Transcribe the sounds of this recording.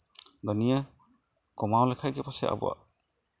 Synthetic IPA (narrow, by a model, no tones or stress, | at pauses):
d̪ɔnija | kɔmawlɛkʰajɡɛpasɛ̰a̰bɔ̰wa̰